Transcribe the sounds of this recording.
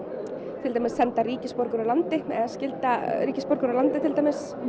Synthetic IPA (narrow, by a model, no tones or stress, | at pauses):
t̪ʰɪlt̪ajmɪsːɛnt̪ariːcɪspɔɾkʏɾalant̪ɪɛ̰ðascɪlt̪aɾriːcɪspɔɾkʏɾalant̪ɪt̪ʰɪlt̪ajmɪs